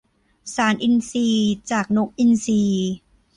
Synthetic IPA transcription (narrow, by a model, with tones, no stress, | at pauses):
saː˩˦nʔi˧nsiː˧t͡ɕaː˨˩k̚no˦˥k̚ʔi˧nsiː˧